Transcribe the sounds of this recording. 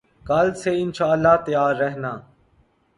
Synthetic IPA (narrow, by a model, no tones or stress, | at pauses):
kalseːɪnʃaːəlːaːt̪əjaːɾːɛɦnaː